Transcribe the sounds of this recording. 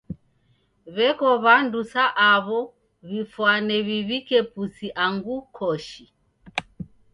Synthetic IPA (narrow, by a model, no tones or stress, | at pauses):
βɛkɔβandusaʔaβɔ | βifwanɛβiβikɛpusiʔaŋɡukʰɔʃi